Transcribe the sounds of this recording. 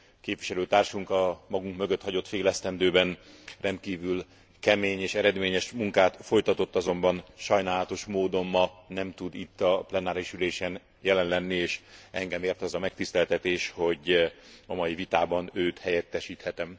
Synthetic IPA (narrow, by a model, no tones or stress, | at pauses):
keːpvʋiʃɛløːt̪aːrʃuŋkɒmɒɡuŋkmø̞ɡø̞t̪hɒɟo̞t̪feːlɛst̪ɛnd̪øːbɛnrɛnt̪̚kiːvyl | kɛmeːɲeːʃɛɾɛd̪meːɲɛʃmuŋkaːt̪fo̞jt̪ɒt̪o̞t̪ːɒzo̞mbɒnʃɒjnaːlɒt̪o̞ʃmoːd̪o̞mmɒnɛmt̪ud̪it̪ːɒplɛnaːɾiʃyleːʃɛn | jɛlɛnlɛnːieːʃɛŋɡɛmeːrt̪ɒzɒmɛk̚t̪ist̪ɛlt̪ɛt̪eːʃho̞ɟɒmɒjivit̪aːbɒnøːt̪hɛjɛt̪ːɛʃiːt̪hɛt̪ɛm